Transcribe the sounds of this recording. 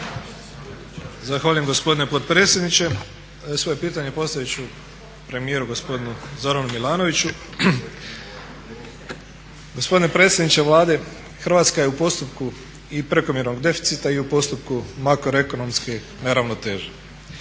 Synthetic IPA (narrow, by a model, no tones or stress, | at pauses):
zaxʋaːʎuje̞mɡo̞spo̞d̪inepo̞t̪̚pɾeːt̪sjed̪nit͡ɕe̞ | sʋo̞je̞piːt̪aɲe̞po̞st̪ajet͡ɕu | pɾe̞mije̞ɾuɡo̞spo̞d̪inuzo̞ɾanumilˠaːno̞ʋit͡ɕu | ɡospo̞d̪inepɾet̪sjed̪nit͡ʃe̞ʋlˠaːd̪e̞ | xɾ̩ʋat̪skaje̞upo̞st̪upku | ipɾe̞ko̞mje̞ɾno̞ɡd̪e̞fi̥t̪sit̪aiupo̞st̪upkumakɾoe̞ko̞no̞mske̞ | neɾaʋno̞t̪e̞ːʒe